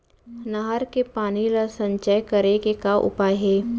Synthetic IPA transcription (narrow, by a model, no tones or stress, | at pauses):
naɦəɾkepaːnilasə̃ɲt͡ʃajkəɾekekaʔʊ̰paːjɦeː